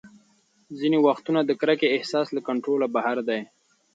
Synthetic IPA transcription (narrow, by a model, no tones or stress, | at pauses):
zinewaxt̪unad̪əkɾakeɪhsɑslakaɳʈɾolabahaɾd̪aj